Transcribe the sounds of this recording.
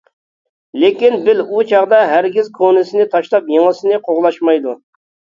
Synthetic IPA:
lekʲinbɪlut͡ʃʰɑʁd̪ɑɦæɾɡʲizkʰonɪsɪnɪt̪ʰɑʃlˠɑpjeŋɨsɪnɪqʰoʁlˠɑʃmɑjd̪u

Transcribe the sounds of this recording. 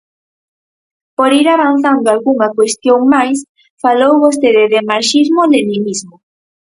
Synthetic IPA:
poɾiɾaβanθand̪oalɣuŋakwest̪joŋmajs | falowβos̬t̪eðeðemaɾʃiɾmolenimizmo

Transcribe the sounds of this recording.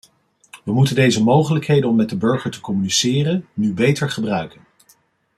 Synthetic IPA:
ʋəmutəndejzəmowχələkɦejdənɔmːɛd̚əbɵɹχəɹtə̥kɔmynisɪːrənnybejtəɹχəbrœɥkən

